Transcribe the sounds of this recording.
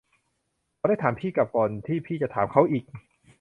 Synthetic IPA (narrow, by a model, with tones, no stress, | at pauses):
ɾaː˧wdaː˥˩jt̪ʰaː˩˦mpʰiː˥˩ka˨˩p̚kɔː˨˩nt̪ʰiː˥˩pʰiː˥˩t͡ɕa˨˩t̪ʰaː˩˦mkʰa˦˥wʔiː˨˩k̚